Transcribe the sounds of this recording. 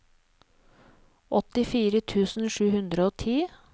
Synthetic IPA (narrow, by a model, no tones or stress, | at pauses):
ʔɔt̪ɪfiːɾət̪ʰʉːsn̩ʃʉːhʉnd̪ɾəoːt̪ʰiː